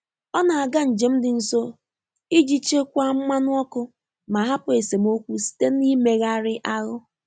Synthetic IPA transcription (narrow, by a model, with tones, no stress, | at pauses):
ɔ˦na˨a˨ɡa˦n̩˨d͡ʒe˨m̩˦dɪ˨n̩˦˨so˦ | i˦d͡ʒi˦t͡ʃe˦kʷa˦m̩˦ma˦nʊ˦ɔ˦kʊ˦ | ma˨ɦa˦pʊ˨e˨se˨m˦o˦kʷu˦si̥˦te˦ni˦me˨ɣa˦ɾɪ˦ʔa˦ɣʊ˦